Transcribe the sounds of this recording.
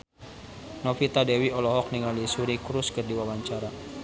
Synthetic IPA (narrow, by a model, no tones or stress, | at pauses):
nɔfit̪adɛwiɔlɔɦɔk̚niŋalisuɾikɾuskərdiwawaɲt͡ʃaɾa